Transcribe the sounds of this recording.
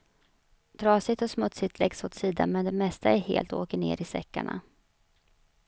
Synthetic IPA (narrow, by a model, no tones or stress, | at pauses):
d̪ɾɑːsɪt̪ɔsmɵt̪sɪt̪ʰlɛɡshʊt̪siːd̪amɛnd̪ɛmɛst̪ʰaæɾheːlt̪oːkəɳeːɾɪsɛ̰kːaɳa̰